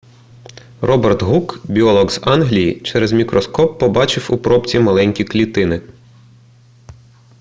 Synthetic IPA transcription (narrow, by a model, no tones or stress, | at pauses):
rɔbert̪ɦukbʲiɔlˠɔɡz̥ɑnɦlʲijḭt͡ʃɛɾɛzmʲikɾɔskɔpːɔbɑt͡ʃɪwupɾɔpt͡sʲimɐlˠɛnʲkʲiklʲit̪ɪnɪ